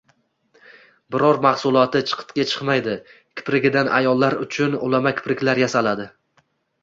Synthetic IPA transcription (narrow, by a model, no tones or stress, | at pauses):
bɪɾɒɾmahsʊlˠɒt̪ɪt͡ʃʰɨ̥qʰɨ̥t̪kʲat͡ʃʰɨ̥qmajd̪ɪ | kʲʰɪ̥pɾɪɡʲɪd̪anʔa̰jɒlˠːaɾʊt͡ʃʰʊnʊ̰lamakʲʰɪ̥pɾɪkʲlaɾjasalad̪ɪ